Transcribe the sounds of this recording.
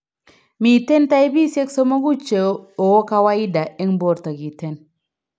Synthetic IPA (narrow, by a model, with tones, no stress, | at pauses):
mi˨te˦nta˦e˦bi˦se˦kso˦ma˦ɡu˦t͡ʃe˨o˨wo˦ka˦wa˦i˦da˨e˦ŋbo˦˨ɾta˨ɡi˨te˦˨n